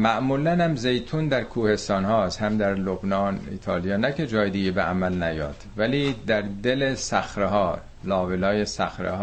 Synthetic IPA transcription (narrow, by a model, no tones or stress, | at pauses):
mæʔmuːlænæmzejt̪ʰund̪æɾkʰuːhe̞st̪ɒːnhɒːshæmd̪æɾlobnɒːnḭːt̪ʰɒːlijɒːnæcʰe̞d͡ʒɒːjed̪iɡebeʔæmælnæjɒ̰ːd̪̥væliːd̪æɾd̪elesæxɾeɦɒːɾ | lɒːvelɒːjesæxɾḛhː